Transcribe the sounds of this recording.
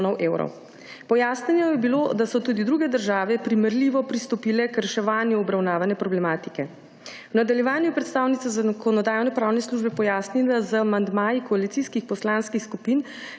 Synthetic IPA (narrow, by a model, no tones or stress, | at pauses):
nɔwʔeːwɾɔ̰w | pɔjasnɛnjɛjɛbilod̪asɔt̪ud̪id̪ɾuːɡɛd̪əɾʒaːʋɛpɾimɛɾliːʋɔpɾist̪ɔpiːlɛkɾɛʃɛʋaːnjuɔbɾawnaːʋanɛpɾɔblɛmaːt̪i̥kɛ | wnad̪aljɛʋaːnjupɾɛt̪st̪aːwnit̪sazakɔnɔd̪aːjwnɛpɾaːwnɛsluʒbɛpɔjaːsnilazəamand̪maːjikɔalit̪siskixpɔslaːnskixskupiːn